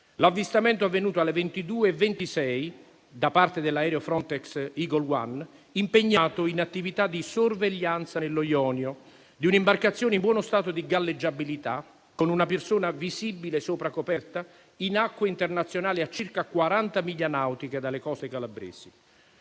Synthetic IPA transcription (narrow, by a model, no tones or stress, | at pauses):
lavːist̪amɛnt̪oavːenuːt̪oalːevent̪id̪uːeːvːent̪isɛj | d̪apart̪ed̪elːaɛːɾeofɾɔnt̪ɛksiɡolwa̰n | impeɲːaːt̪oinat̪ːivit̪ad̪ːisorveʎːant̪sanelːojɔːnjo | d̪iunimbarkat̪sːjoːneimbwɔːnʊst̪aːt̪ʊd̪iɡalːed͡ʒːabilit̪a | konunapersoːnavisibːilesoːpɾakopɛrt̪a | inakːwaint̪ernat̪sːjonaːliat͡ʃːirkakwaɾant̪amiʎːanawt̪iked̪alːekɔsekalabɾɛ̰ːsi